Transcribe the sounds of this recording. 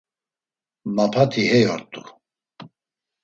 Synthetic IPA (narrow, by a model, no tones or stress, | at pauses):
mapʰat̪ʰihɛjɔɾt̪ʼu